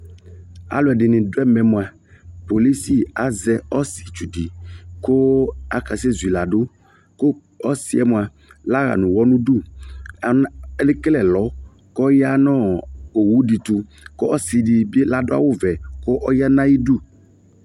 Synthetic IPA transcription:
a̰˨lʊ˨ɛ˨dɪ˨nɪ̃˨dʊ˦ɛ˦mɛ̃˨mʊ˨a˨ | po˨li˦si˦a˨zɛ˨ɔ˦sɪ̥˨t͡ʃu˨di˨kʊ˦a˨ka˨sɛ˦zu˨i˨la˨dʊ˦ | kʊ˦ | ɔ˦sɪ˦ɛ˦mʊ˨a˨ | la˦ɣa̰˨nʊ̃˨wɔ˦nʊ̃˦du˦˨˦ | lɪ˦klɛ˨lɔ˨˦ | kɔ˦ja˦nɔ̃˦˨o˨wu˦di˨tʊ˨ | kʊ˦ɔ˦sɪ˨dɪ˨be˦la˨dʊ˦a̰˨wʊ˦vɛ˨kʊ˦ʔɔ˦ja˦nã˦ji˦du˦˨

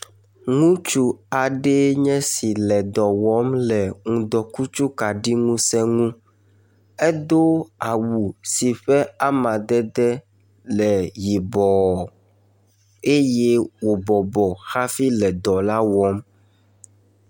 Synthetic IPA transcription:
ŋũ˦t͡ʃu˦a˨ɖe˦ɲɛ̃˦si˨lɛ˨d̪ɔ˨wɔ˦mlɛ˨ŋũ˨d̪ɔ˨ku˦t͡ʃu˦ka˨ɖi˦ŋũ˦sɛ̃˦ŋũ˦ | ɛ˦d̪o˦a˨wu˨si˨ɸɛ˦a˦mã˨d̪ɛ˦d̪ɛ˦ | lɛ˨ji˨bɔ˨ | e˦je˦wo˨bɔ˨bɔ˨xa˦fi˦lɛ˨d̪ɔ˨la˦wɔ˦m

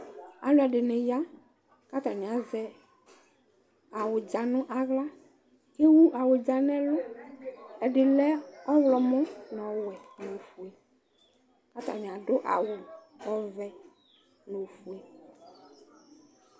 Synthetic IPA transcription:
a̰˨lo˦ɛ˨ɖɪ˨nẽ˨ja˦ | ka˦t̪a˨mĩ˨a˨zɛ˦ | a˨wʊ˨d͡ʒa˨nʊ̃˦ʔa˨ɣla˦ | ke˦wu˦ʔa˨wʊ˨d͡ʒa˨nɛ̃˦lɔ˦ | ɛ˨ɖɪ˨lɛ˦ɔ˦vlɔ˨mɔ̃˦nɔ̃˨wɛ˨nõ˨fu˨e˨ | ka˦t̪a̰˨mĩ˨a˨ɖo˦ʔa̰˨wo˨ | ɔ˦vɛ˦ | no˨fu˨e˨

